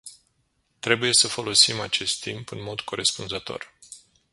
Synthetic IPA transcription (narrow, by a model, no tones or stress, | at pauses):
t̪ɾe̞buje̞səfo̞lo̞simat͡ʃe̞st̪ːimpɨnmo̞d̪ko̞ɾe̞spunzət̪o̞̰r